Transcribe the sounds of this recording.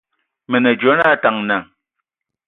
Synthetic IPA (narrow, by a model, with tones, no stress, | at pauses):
mɛ˨nɛ˨d͡ʒo˨˦na˦˨ta˨ŋna˨